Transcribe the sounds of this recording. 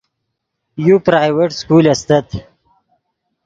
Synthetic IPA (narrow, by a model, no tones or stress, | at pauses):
jupɾaːjweʈskuːlɐst̪ɐt̪